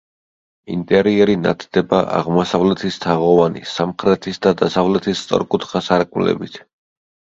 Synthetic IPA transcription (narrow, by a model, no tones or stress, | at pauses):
ḭnt̪ʼɛɾiɛɾina̰t̪ʰd̪̥ɛba̰ʔa̰ʁmɔsavlɛt̪ʰist̪ʰaʁɔvanḭsamχɾɛt̪ʰisd̪ad̪asavlɛt̪ʰist̪sʼɔ̰ɾkʼut̪ʰχasaɾkʼmlɛ̰bit̪ʰ